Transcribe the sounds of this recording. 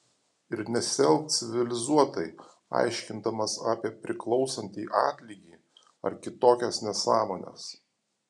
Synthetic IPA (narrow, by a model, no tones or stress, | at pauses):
ɪɾnʲɛsʲɛlˠkt̪sʲɪʋʲɪlʲɪzuɔt̪ɐɪ | ɑ̰ˑɪʃʲkʲɪnd̪ɐmɐsɑːpʲiɛpʲɾʲɪklˠɒʊsɐnʲt̪ʲiːʔɑːt̪ʲlʲiːɡʲiː | ɐ̰ɾkʲɪt̪oːkʲɛsnʲɛsɑːmoːnʲɛ̰s